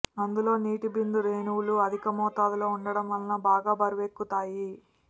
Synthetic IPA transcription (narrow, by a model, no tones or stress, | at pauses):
ɐnd̪ulo̞ːniːʈibind̪uɾeːnuwluɐd̪ʱikɐmɔːt̪aːd̪ɐlo̞ːuɳɖɐɽɐmʋɐlɐnɐbaːɡaːbɐɾiʋe̞ːkːut̪aːji